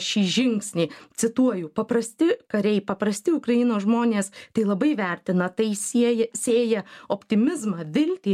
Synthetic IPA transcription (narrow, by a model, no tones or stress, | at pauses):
ʃʲiːʒʲɪŋksʲnʲɛːt͡s̪ʲɪt̪uɔjʊpɐprɐsʲt̪ʲɪkɐɾʲɛɪpɐpɾɐsʲt̪ʲɪʊkrɐjɪnoːsʒmoːnʲeːst̪ɐɪlˠɐbɐɪʋʲɛrʲt̪ʲɪnɐt̪ɐɪsʲiɛjɛsʲeːjɛoːpʲt̪ʲɪmʲɪzmɑʋʲɪlʲt̪ʲiː